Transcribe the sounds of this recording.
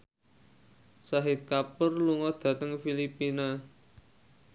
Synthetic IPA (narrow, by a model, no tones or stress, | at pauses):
saɦɪt̪̚kapərluŋɔd̪̥ä̤t̪əŋfilipina